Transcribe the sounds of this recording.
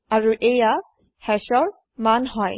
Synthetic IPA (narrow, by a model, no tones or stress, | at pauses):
aɹuʔeja | hɛʃɔɹ | manɦɔj